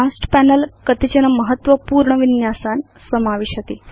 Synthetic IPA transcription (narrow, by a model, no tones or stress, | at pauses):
asʈpænəlkət̪id͡ʑənəməɦət̪ʋəpuːɾɳəʋinjasansəmaʋeɕət̪e